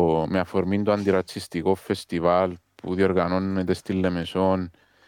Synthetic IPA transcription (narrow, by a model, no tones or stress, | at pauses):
meafoɾmind̪oant̪iɾat͡sːist̪ikofest̪iβalpuðjoɾɣanonːet̪est̪ilːemeson